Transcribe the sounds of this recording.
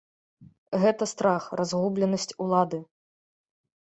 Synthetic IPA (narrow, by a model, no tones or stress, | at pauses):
ɣɛt̪ɐst̪ɾaxrʔazɣublʲɛnɐsʲt͡sʲulˠad̪ɨ